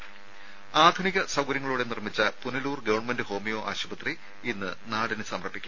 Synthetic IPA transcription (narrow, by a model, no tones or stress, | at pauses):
aːd̪ʱuniɣɐsɐwɡɐɾjɐŋːɐɭuːɽe̞nirmit͡ɕːɐpuniluːrɡɐʋɐrɳmendɨho̞ːmijo̞ːʔa̰ːɕubɐt̪ri | inːɨnaːɽinɨsɐmrɐpːikʲːum